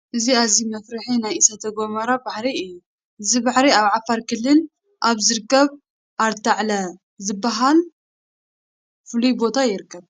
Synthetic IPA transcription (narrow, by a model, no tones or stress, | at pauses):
ʔɨziazimɐfɾɨħinajɨsɐt̪ʰɐɡo̞mɐɾabaħɾiɨjːu | ʔɨzibaħɾiaβʕafaɾkʰɨlːɨn | ʔaβzɨɾɨkːɐβ | ʔaɾt̪ʰaʕlɐ | zɨbːaɦal | fɨlujbo̞t̪ʰajɪɾɨkʰːɐβ